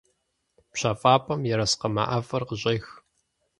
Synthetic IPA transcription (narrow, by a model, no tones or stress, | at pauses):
pɕaːfʼaːpʼɐmjɛɾɐsqɐma̰ʔɐfɐrqəʑʼeːx